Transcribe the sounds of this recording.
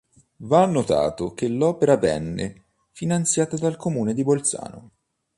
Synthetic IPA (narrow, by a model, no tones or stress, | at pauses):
vanːot̪a̰ːt̪ok̟elːɔːpeɾavɛ̰nːḛ | finant̪sjaːt̪ad̪alkomuːned̪ibolt̪sa̰ːno̰